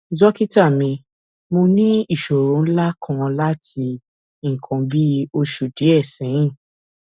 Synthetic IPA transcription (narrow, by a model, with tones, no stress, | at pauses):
d͡ʒɔ˦ki˦ta˦˨mĩ˧ | mo˧nĩ˦i˦˨ʃo˨ɾõ˨˦la˦kʰã˦˧la˦tʰi˧ | ŋ̩˨kʰã˨bi˦o˧ʃu˨de˨˦ɛ˦˨sɛ̃˨˦j̃ĩ˦˨